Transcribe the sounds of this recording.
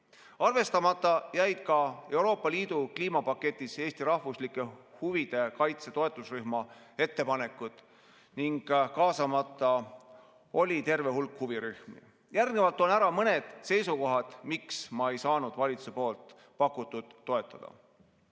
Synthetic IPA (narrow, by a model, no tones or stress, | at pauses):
ɑrve̞st̪ɑmɑt̪ˑːɑjæjd̪̥kɑe̞wɾo̞ːpˑːɑliːd̪̥ukliːmɑpɑkːe̞t̪ʲːˑise̞ːst̪iɾɑhvuslikːˑe̞huvid̪̥e̞kɑjt̪se̞t̪o̞e̞t̪ːˑusryhmɑ | e̞t̪ːe̞pɑne̞kːˑud̪̥ | niŋɡ̥kɑːsɑmɑt̪ːˑɑ | o̞lʲit̪e̞rve̞ɦulkhuviɾyhmḭ | jærɡnevɑlt̪ːˑo̞næɾɑmɤne̞d̪̥se̞jsuko̞ɦɑd̪̥miksmɑe̞jsɑːnud̪̥vɑlʲit̪su̥sepo̞ːlt̪ | pɑkːˑut̪ːˑud̪̥ːo̞e̞t̪ːˑɑd̪̥ɑ̰